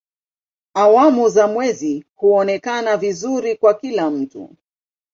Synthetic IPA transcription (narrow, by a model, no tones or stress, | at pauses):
awamuzamwɛzihuɔnɛkanavizuɾikwakilam̩tṵ